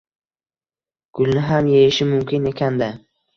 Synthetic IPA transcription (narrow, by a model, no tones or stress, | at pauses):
ɡ̥ʰʊlˠnɪɦamjejɪʃɪmʊmkʲʰɪne̞kʲʰand̪ɪ